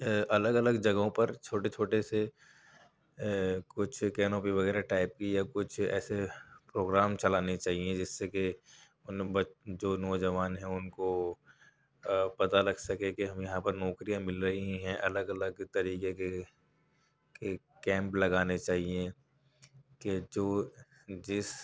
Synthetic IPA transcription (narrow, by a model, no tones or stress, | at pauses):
ɐləɡɐləɡd͡ʒɐɡõpɐɾt͡ʃʰoːʈet͡ʃʰoːʈese | kʊt͡ʃʰkɛːnoːpiʋɐɣɛːɾaʈaːɪp̚kijakʊt͡ʃʰɛ̰ːsepɾoːɡɾaːmt͡ʃɐlaːnet͡ʃaːɦiẽd͡ʒɪsːeke | ʊnbɐd͡ʒoːnɔːd͡ʒɐʋaːnɦɛ̃ʊnko | pɐt̪alɐɡsɐkẽkeɦɐmjɐɦãpɐɾnɔːkɾijãmɪlɾɐɦiɦɛ̃ʔɐləɡɐləɡt̪ɐɾiːkee | ke | kɛ̃ːmplɐɡaːnet͡ʃaːɦie | ked͡ʒoː | d͡ʒɪs